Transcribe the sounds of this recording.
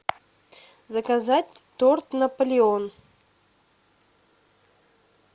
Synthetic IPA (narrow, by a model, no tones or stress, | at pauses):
zəkazat̚ʲt̪ort̪nəpəlʲɪon